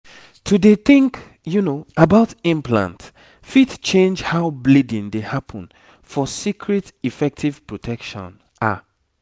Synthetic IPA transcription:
tʰudeθĩŋk | junoabaʊtĩmpʰlã̰nt | fitt͡ʃẽnd͡ʒhaʊblidĩndehapʰɔ̃n | fɔsikʰɹɛtifɛk̚tʰiv̥pɹɔtʰɛkʃɔ̰̃n | ʔa̰

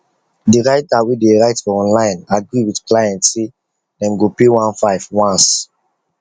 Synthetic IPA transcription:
diɾaɪtawideɹaɪtfɔɔ̃nlãj̃naɡɹiwidklajɛ̃ntse | dɛ̃mɡopewãnfaɪvwãns

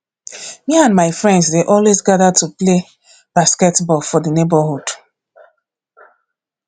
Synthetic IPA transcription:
miãnmaɪfɹɛ̃ndzdeʔɔlwezɡadatuple | b̥askɛtbɔlfɔdənebahud̥

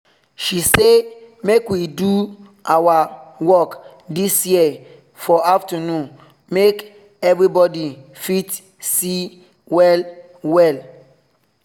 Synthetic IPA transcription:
ʃisemekwidu | ʔawawɔk | disjiɛ | fɔaftanũn | mek | ɛvɹibɔdifit | si | wɛl | wɛl

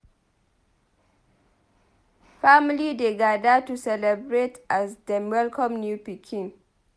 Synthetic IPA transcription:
familideɡadatusɛlɛbɹetʔazdɛmwɛlkʰɔ̃mnjupikʰĩn

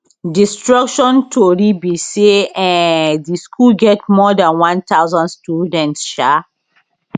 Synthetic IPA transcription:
distɹakʃɔ̃ntʰoɹibiseɛ̃ndiskʰulɡɛtmɔdãnwãnt̪awzãnstudɛ̃ntsʃa

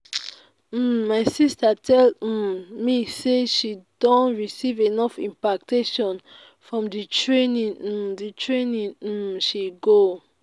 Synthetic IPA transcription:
m̩ːaɪsistatʰɛl̩miseʃidõntɹisivenɔfḭ̃mpak̚tʰeʃɔ̃n | fɹɔ̃mditʰɹẽnĩnm̩ditʰɹẽnĩn̩ʃiɡo

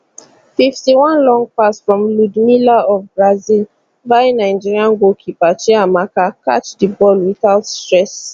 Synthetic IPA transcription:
fiftiwãnlɔ̃ŋɡ̚pasfɹɔ̃mludmilaɔfbɹazil | vaɪnaɪd͡ʒiɹiãnɡokʰipat͡ʃɛamakakʰat͡ʃdəbɔlwiθaʊtstɹɛs

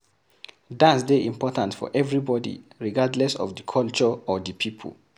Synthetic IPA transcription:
dãnsdeʔĩmpɔtãntfɔ̰ʔɛvɹibɔdḭɹiɡadlɛsɔ̰vdəkʰɔlt͡ʃɔɔðəpʰipʰə̰l

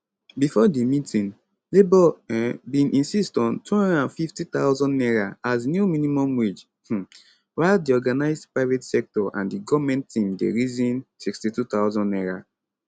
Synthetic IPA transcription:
bifɔdimitĩn | lebɔbĩnʔĩnsistɔ̃ntuhɔ̃ndɛdãnfiftĩtawzɔ̃nːɛɹaaznjuminimɔ̃mɹid͡ʒ | waɪldiɔɡanaɪzdpɹaɪvetsɛk̚tɔʔã̰ndiɡɔvmɛ̃nttːĩmdḛɹizĩnsikstitutaʊzɔ̃nːɛɹa

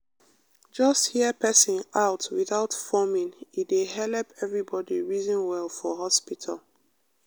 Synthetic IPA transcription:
d͡ʒʌsthiəpʰɛsĩnaʊtwiθaʊtfɔmĩnidehɛlɛpʰɛvɹibɔdiɹizə̃nwɛlfɔɦɔspitʰa̰l

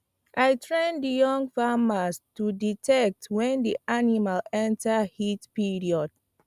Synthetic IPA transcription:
ʔajtʰɹɛ̃ndijɔ̃ŋfamastuditʰɛk̚twɛ̃ndiʔanimalɛ̃ntahitpiɹiɔd̥̚

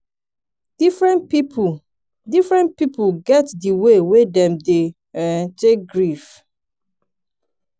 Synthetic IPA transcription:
d̥ifɹɛ̃npip | difɹɛ̃npipuɡɛtdiwewedɛ̃mde | ɛ̃ntek̚ɡɹif

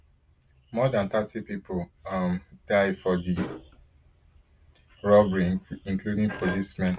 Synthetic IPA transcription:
mɔdãnt̪atʰipipʰoʌmd̥aɪfɔdi | ɹɔbɹiĩŋkludĩŋpʰolismɛ̃n

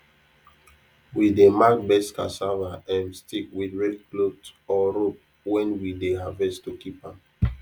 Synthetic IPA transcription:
widemak̚bɛska̰savaɛ̃nstikwidɹɛdklotɔɾop̚ | wɛ̃nwideɦavɛstukipãm

